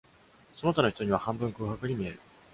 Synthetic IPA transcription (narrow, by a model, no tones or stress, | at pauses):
so̞no̞t̪ano̞çi̥t̪o̞ɲ̟iβ̞ahãmbɯ̟̃ŋkɯ̟ːhakɯ̟ɲ̟imʲie̞̰ɾɯ̟